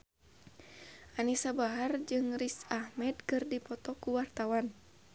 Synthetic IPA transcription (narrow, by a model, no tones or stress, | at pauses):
ʔanisabaɦard͡ʒɨŋrisahmɛdkɨrdipɔt̪ɔkuwart̪awan